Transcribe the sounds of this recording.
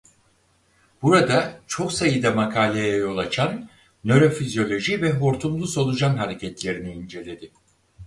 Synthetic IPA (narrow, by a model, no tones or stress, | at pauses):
b̥uɾad̪at͡ʃʰo̞ksajɯd̪amakʰaːlʲejajo̞lˠat͡ʃʰanː | ø̞ɾo̞fizjo̞lʲo̞ʒivɛɦoɾt̪ʰumlˠuso̞lˠud͡ʒanɦaɾe̞cʰɛt̪lʲe̞ɾiniːnd͡ʒe̞lʲe̞d̪ɪ